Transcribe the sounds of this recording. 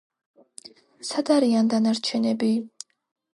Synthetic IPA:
sad̪aɾiand̪anaɾt͡ʃʰɛnɛbi

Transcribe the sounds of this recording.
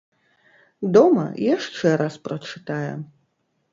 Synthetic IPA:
d̪ɔmɐ̰jaʂt͡ʂɛɾʔasprɐt͡ʂɨt̪ajɛ̰

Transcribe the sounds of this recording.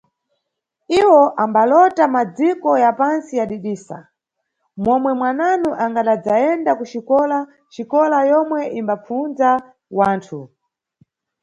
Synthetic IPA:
iwɔʔambalɔtamad͡zikɔjapansijaɗiɗiːsa̰ | mɔmwɛmwananuʔaŋɡaɗad͡zaɛndakuʃikɔla | ʃikɔlajɔmwɛʔimbap͡funza | waːntʰu

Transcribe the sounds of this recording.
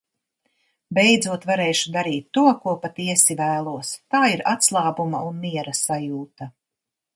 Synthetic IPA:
bɛjd̪zuɔt̪vaɾɛːʃud̪aɾiːt̪ːuɔkuɔpat̪iɛsivæːlˠuɔst̪aːiɾat̪slˠɑːbumɐ̰unmiɛɾasajuːt̪ɐ

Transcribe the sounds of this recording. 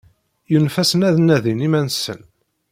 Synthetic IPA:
jənfæsənæðnæðinimænsə̰n

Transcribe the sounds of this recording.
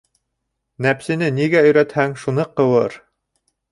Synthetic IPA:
næpsɘ̆nɘniɡæɵ̆jɾæt̪hæŋʃunɤqɤ̆wɤɾ

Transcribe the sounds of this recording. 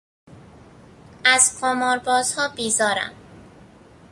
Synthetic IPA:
æz̥kʰomɒːɾbɒːz̥hɒːbiːzɒːɾæ̰m

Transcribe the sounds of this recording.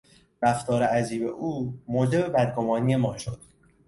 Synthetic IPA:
ɾæft̪ʰɒːɾeæziːbe̞ʔuːmoːd͡ʒe̞be̞bæd̪̚ɡo̞mɒːniːje̞mɒːʃod̪̥̚

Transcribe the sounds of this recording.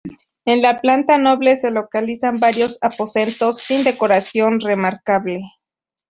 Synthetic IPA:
enlaplant̪ano̞βle̞se̞lo̞kalisambaɾjo̞sapo̞se̞nt̪o̞sːind̪e̞ko̞ɾasjo̞nre̞maɾkaβle̞

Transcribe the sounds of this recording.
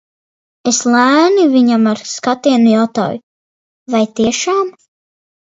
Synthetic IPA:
eslˠæːniviɲamaɾskat̪iɛnujawt̪a̰ːjṵ | vajt̪iɛʃaːm

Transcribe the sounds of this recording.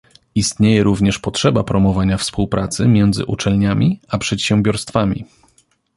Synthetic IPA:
ist̪ɲejɛɾuvɲɛʂpɔtʂɛbapɾɔmɔvaɲafspuwpɾʔat̪sɘmʲjɛnd̪zɘ̰ʔut͡ʂɛlɲamʲiapʂɛt̪ɕɛmbʲjɔɾst̪famʲḭ

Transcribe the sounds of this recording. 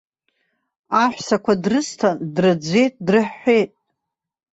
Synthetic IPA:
aħʷsakʷʰadrɨstʰandrɨd͡zʷe̞jtʼdrɨħːe̞jtʼ

